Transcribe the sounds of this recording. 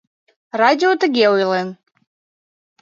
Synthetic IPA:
rɑdʲɪot̪əɡʲeujlen

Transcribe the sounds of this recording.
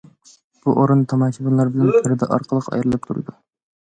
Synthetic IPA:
b̥uʔoɾɨnt̪ʰɑmɑt͡ʃʰibunlˠɑɾbɪlænpʰɪɾɪd̪ɛ̰ʔɑ̰ɾqʰəlˠəqɑ̰jɾɨlˠɨp̚t̪ʰuɾɨ̰d̪u

